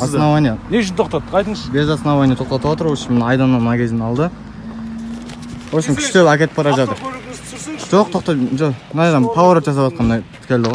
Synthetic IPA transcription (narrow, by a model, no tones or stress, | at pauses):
ɑsnɑvɑjneneʃɪnt̪ʰoqt̪ɑt̪ːəqʰɑjt̪əɴəzbezɑsənɑvɑjnet̪ʰo̞q̚t̪ɑt̪əwot̪əɾwo̞lˠʃɪnmnɑjd̪ɑnːəɴmənɑkʲʰe̞zɪnɑlˠd̪ə | wolˠʃɪnŋkʲʰʏ̥ʃk̪ʲelækʲe̞t̪ɪpbʰɑɾɑʒɑt̪əɾ | ʒ̥oqt̪ʰoqt̪ɑʒonɑd̪ɑnpʰavoɾot̪ʒɑsɑpɑt̪̚qʰɑnd̪ɑjt̪ʰɪ̥kʲe̞ld̪ɪʁo